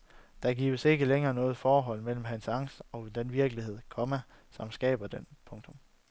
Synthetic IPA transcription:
d̥ɑ̈ɡ̥ḭːʊəse̝ɡ̥əleŋɐːnɔ̽ːð̩ˠfɒːɦɒ̽l̰mel̰m̩ɦænsɑ̈ŋ̰sɒ̽d̥enʋiɐɡ̥əlihe̝ð̞̰ˠkʰɒ̽mæ | sɒ̽msɡ̥ɛ̰ːb̥ɐd̥enpʰɔ̽ŋt͡sʰɔm

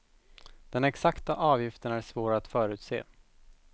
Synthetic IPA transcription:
d̪̥ɛnɛksakt̪aʔɑːvjɪft̪ənæʂvoːɾaːt̪fœːɾʉ̟ːt̪sḛː

